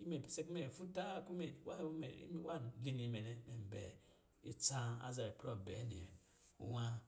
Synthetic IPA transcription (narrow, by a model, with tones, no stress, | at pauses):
i˦me˨se˦kme˨fu˦ta˦ku˦me˨wa˦mḛ˨˦wa˦˨li˦ni˨˦me˨ne˦me˨m˨bḛ˨ | i˨t͡sã˦a̰˦za˨ɾe˨pɾo˦˨be˨˦nḭ˨ | ṵ˦wa˦